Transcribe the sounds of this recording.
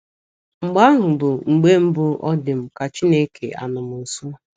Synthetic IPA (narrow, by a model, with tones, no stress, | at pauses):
ŋ͡m̩˨ɡ͡ba˦ɦʊ˨bʊ˨ŋ͡m̩˨ɡ͡be˦m̩˦bʊ˦ʔɔ˦dɪ˨m̩˨ka˨t͡ʃi˦ne˦kʰḛ˨a̰˨nʊ˨mʊ˨su˦